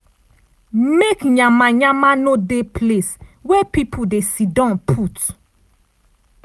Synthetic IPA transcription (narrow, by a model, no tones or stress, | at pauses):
mekɲãmaɲãmanodepʰleswɛpipʰodesidɔ̃npʰut